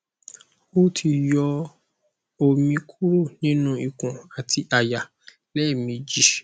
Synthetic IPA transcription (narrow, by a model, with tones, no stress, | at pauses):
o˦tʰi˧jɔ˧ | o˧mĩ˧kʰu˦ɾo˦˨nĩ˦nũ˦i˨kũ˨a˨tʰi˧ʔa˨ja˨ | lɛ˦˨mĩ˧d͡ʒi˨˦